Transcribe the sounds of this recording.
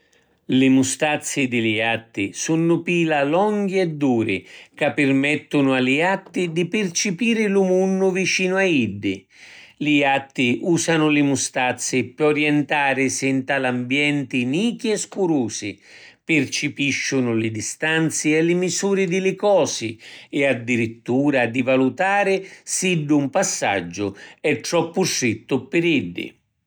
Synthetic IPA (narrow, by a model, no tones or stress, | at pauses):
lɪmust̪at̪sːɪd̪ɪlɪat̪ːisunːʊpiːlalɔŋɡiɛd̪ːuːɾɪ̰kapːɪrmɛt̪ːʊnʊalɪat̪ːid̪ipɪrt͡ʃɪpiːɾɪlʊmunːʊvit͡ʃiːnʊaid̪ːɪ | lɪat̪ːiʔuːsanʊlɪmust̪at̪sːɪpɔɾjɛnt̪aːɾɪsɛnt̪alambjɛnt̪ɪniːkiɛskuɾuːsɪ̰ | pɪrt͡ʃɪpiʃːʊnʊlɪd̪ist̪ant̪sɪɛlɪmisuːɾɪd̪ɪlɪkɔːsɪɪad̪ːiɾit̪ːuːɾad̪ivalut̪aːɾɪsiɖːumpasːa̰d͡ʒːʊɛt̪ːɾɔpːʊsɾit̪ːʊpɪɾiɖːɪ̰